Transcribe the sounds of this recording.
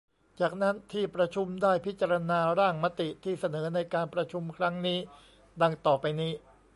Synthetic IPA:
t͡ɕaː˨˩k̚na˦˥nt̪ʰiː˥˩pɾa˧t͡ɕʰu˧mdaː˥˩jpʰi˦˥t̪̚t͡ɕa˧ɾa˧naː˧ɾaː˥˩ŋma˦˥t̪i˨˩t̪ʰiː˥˩sa˧nɤː˩˦na˧jkaː˧npɾa˧t͡ɕʰu˧mkʰɾa˦˥ŋniː˦˥ | da˧ŋt̪ɔː˨˩pa˧jniː˦˥

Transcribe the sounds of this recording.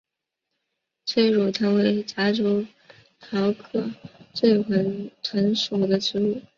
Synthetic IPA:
t͡sʰwe˥ɪɻu˨˩t̪ʰa˥nwe˧˥ɪt͡ɕa˧˥ʈ͡ʂo˧˥ʊ | t̪ʰɑ˧˥ʊkʰɤ˥˩t͡swe˥˩ɪxə˧˥nt̪ʰə˧˥nʂu˨˩d̪ə˦ʈ͡ʂɻ̩˧˥u˥˩

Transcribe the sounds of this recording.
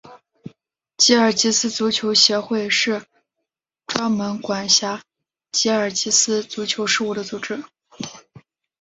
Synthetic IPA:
t͡ɕi˧˥ə˞˨˩t͡ɕi˧˥sɹ̩˥t͡su˧˥t͡ɕʰjo˧˥ʊɕjɛ˧˥xwe˥˧ɪʂɻ̩˥˩ | ʈ͡ʂwa˥nmə˧˥nkwa˨˩nɕja˧˥ | t͡ɕi˧˥ə˞˨˩t͡ɕi˧˥sɹ̩˥t͡su˧˥t͡ɕʰjo˧˥ʊʂɻ̩˥˧u˥˩d̪ə˩t͡su˨˩ʈ͡ʂɻ̩˥

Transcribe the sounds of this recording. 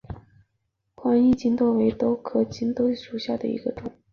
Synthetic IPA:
kwa˥ni˥˧t͡ɕi˥nt̪wɔ˥˩we˧˥ɪt̪o˥ʊkʰɤ˨˩t͡ɕi˥nt̪o˥ʂu˨˩ɕja˥˩d̪ə̰˩ḭ˧˥ɡ̥ə˧ʈ͡ʂʊ˨˩˦ŋ

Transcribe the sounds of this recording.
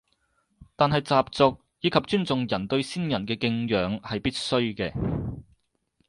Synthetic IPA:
t̪aː˨nɦɐ˨jt͡saː˨p̚t͡sɔː˧k̚ | jiː˨˧kʰɐ˨p̚t͡ʃyː˥nt͡sʊ˨ŋjɐ˨˩nt̪ɵ˧ɥsiː˥njɐ˨˩nkɛː˧kɪ˧ŋjœː˨˥ŋhɐ˨jpiː˥t̚sɵ˥ɥkɛː˧

